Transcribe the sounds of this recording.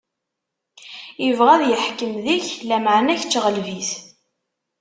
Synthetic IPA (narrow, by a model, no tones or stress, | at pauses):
jəvʁæðjəħkəmðiçlæməʕnæçt͡sːʁəlviθ